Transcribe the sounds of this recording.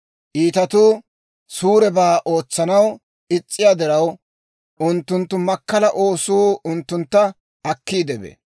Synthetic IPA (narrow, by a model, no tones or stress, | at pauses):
ʔiːt̪ɐt̪uː | suːɾɛbaːʔo̞ːt͡sːɐnɐw | ɪt͡sʼːɪjad̪ɪɾɐw | ʔʊnt̪ːʊnt̪ːʊmɐkːɐlɐʔo̞ːsuːʊnt̪ːʊnt̪ːɐ | ɐkːiːd̪ɛbɛ̰